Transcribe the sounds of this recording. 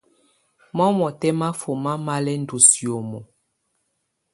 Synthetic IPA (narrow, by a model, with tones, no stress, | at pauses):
mɔ˦mɔ˨tɛ˦ma˦fo˨ma˦ma˦lɛ˦n˦du˨sjo˨mɔ˨